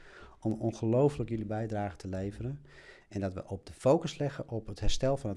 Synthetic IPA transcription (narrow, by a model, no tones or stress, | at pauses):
ɔmɔnχəlowfələkjəlibɛjdraːχətʰəlejvəɾən | ɛndɑtʋə̰ʔɔb̚dəfowkəslɛχənʔɔpɦətɦɛɹstɛlˠfɑnə